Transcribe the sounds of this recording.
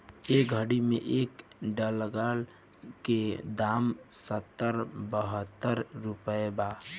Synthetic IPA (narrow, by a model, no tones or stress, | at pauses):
eːk̚ɡʱəɽimḛ̃ʔeːkɖələɡal | ked̪aːmsət̪ːəɾbəɦət̪ːəɾːupəeba